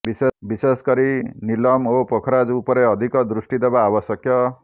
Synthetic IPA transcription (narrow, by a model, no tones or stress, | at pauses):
bisebiseskʌɾinilʌmopokʰɾad͡zupʌɾeʌd̪ʱikʌd̪ɾusʈid̪ebaːbʌsʌkjʌ